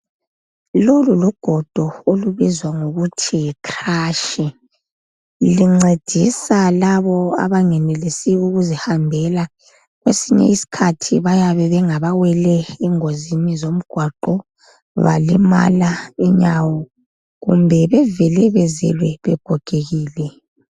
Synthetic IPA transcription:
loluluɡ̥ʱɔd̥ʱɔoluβizwaŋoɣutʰikʰraːʃɛ | liŋ͡ǀed̥ʱisalaβɔa̰βaŋɛnɛlisiuɣuzihambʱɛla | ɣwḛsiɲɛ̰isi̥kʰatʰiβajaβɛβɛŋaβawɛlɛɛŋozinizom̩ɡ̥ʱwaǃɔ | βa̰lima̰laiɲawɔ | ɣṵmbʱɛβɛvɛlɛβɛzɛ̰lwɛβɛɡ̥ʱɔɡ̥ʱeɣiːlɛ

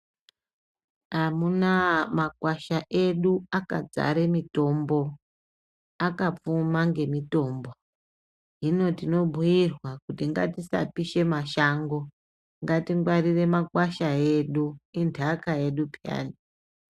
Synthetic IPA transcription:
amunamakwaʃaʔe̞ɗuakad͡za̰ɾemito̞mbo̞ | akap͡fumaŋɡe̞mito̞ːmbo̞ | ɦino̞tino̞bʱujirwakutiŋɡa̰tisa̰piʃe̞maʃaŋɡo̞ | ŋɡatiŋɡwarire̞makwaʃae̞ɗuindʰʱakae̞ɗupja̰ːni

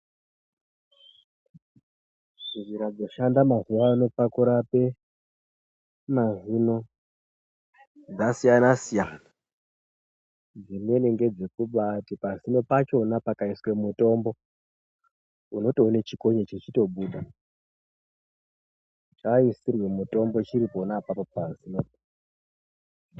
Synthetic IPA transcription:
ʐiʐiɾad͡zo̞ʃandamazuwauno̞pakuɾape | mazino̞ | ndasijanasijaːna | d͡zinwe̞ne̞ŋɡe̞d͡ze̞kuɓatipazino̞pat͡ʃo̞napakaiswe̞muto̞mbo̞ | uno̞toːnet͡ʃiko̞ɲet͡ʃet͡ʃito̞ɓuːɗa | t͡ʃaisirwe̞muto̞mbo̞t͡ʃiɾiponapapo̞pasino

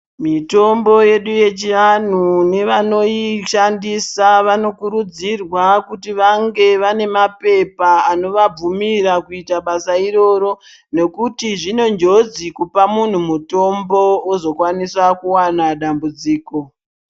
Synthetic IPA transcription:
mito̞mbo̞je̞ɗuje̞t͡ʃian̤une̞ʋano̞iʃandisaʋano̞kuɾud͡zirwakutiʋaŋɡe̞ʋane̞mape̞paano̞ʋab͡vumiɾakuitaɓasairo̞ɾo̞ | ne̞kutiʐino̞nd͡ʒo̞d͡zikupamun̤umuto̞mbo̞ozo̞kwaniswakuwanaɗambud͡ziːko

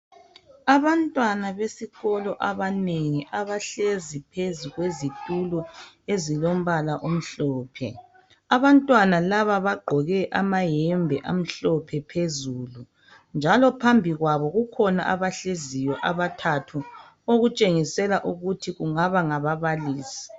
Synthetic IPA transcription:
aβantʼwanaβesiɣɔlɔʔaβaneŋiʔaβaɬezipʰezuɣwezitʼulɔ | ezilom̩βalaʔom̩ɬɔːpʰɛ̰ | aβantʼwanalaβaβaɡ͡ǃʱɔɣɛʔamajɛmbʱɛʔam̩ɬɔpʰɛpʰezuːlu | nd͡ʒʱalɔpʰambʱiɣwaβɔɣukʰɔna̰ʔaβaɬezijɔʔaβatʰatʰu | oɣut͡ʃʼeŋisɛlaʔuɣutʰiɣuŋaβaŋaβaβaliːsi̥

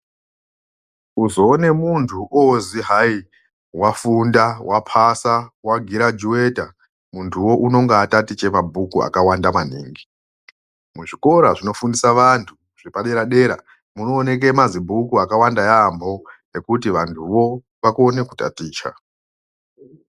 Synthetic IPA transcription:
uzo̞ːne̞muntʰuʔoziɦai | wafundawʔapʰasawaɡʱiɾad͡ʒuwe̞ta | muntʰuwo̞ʔuno̞ŋɡaːtatit͡ʃe̞mabʱukua̰kawandaman̤iːŋɡi | muʐiko̞ɾaʐino̞fundisaʋantʰu | ʐ̥ipaɗe̞ɾaɗe̞ɾa̰ | muno̞ːne̞k̬e̞mazibʱukuakawandajambo̞ | e̞kut̬iʋantʰuʋo̞ | ʋakuone̞kuta̰tiːt͡ʃa̰

